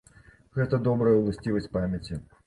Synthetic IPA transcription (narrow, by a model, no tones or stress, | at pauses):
ɣɛt̪əd̪ɔbɾəjəulˠɐsʲtʲivəsʲtʲpamʲɐt͡sʲi